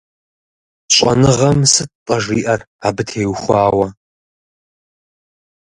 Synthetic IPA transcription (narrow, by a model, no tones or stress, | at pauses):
ɕʼɐ̰nɨʁɐmsɨt̚qʼɐʐiːʔɐr | aːbɨtʰeːwχʷɑːwɐ